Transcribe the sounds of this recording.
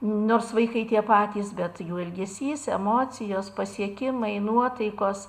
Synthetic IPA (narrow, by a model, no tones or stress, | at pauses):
noːrsʋɐɪkɐɪt̪ʲiɛpɑːt̪ʲiːsbʲɛt̪juːɪlʲɡʲɛsʲiːsɛmoːt͡s̪ʲɪjoːspɐsʲiɛkʲɪmɐɪnuɔt̪ɐɪkoːs